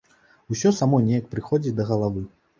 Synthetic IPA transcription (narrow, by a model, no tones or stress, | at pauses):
usʲɔsamɔnʲejɐk̚pɾɨxɔd͡zʲid̪ɐɣɐlˠavɨ